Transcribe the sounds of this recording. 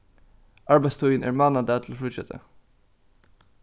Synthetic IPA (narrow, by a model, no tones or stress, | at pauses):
ʔɑɹbæɪst̪ʰɔənʔæ̰ːɹmɑːnɑd̪æːt̪ʰl̩oːfʊsɛt̪ʰə̰